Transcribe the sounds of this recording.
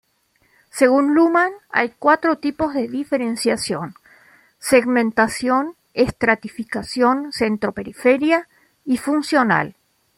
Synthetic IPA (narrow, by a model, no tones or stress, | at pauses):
se̞ɣ̞unlumana̰jkwat̪ɾot̪ipo̞zðeðifeɾensjasjon | seɣmẽnt̪asjo̞n | est̪ɾat̪ifikasjo̞nsent̪ɾo̞peɾifeɾja | ifunsjo̞na̰l